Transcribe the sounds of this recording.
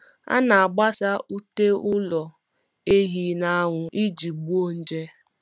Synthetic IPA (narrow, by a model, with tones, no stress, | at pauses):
a̰˦na˨a˨ɡ͡ba˦sa˦u˦te˦ʊ˦lɔ˨ | e˦ɦi˦na˨a˦ŋʷʊ˨ʔi˦d͡ʒi˨ɡ͡bu˦o˦n̩˦d͡ʒe˦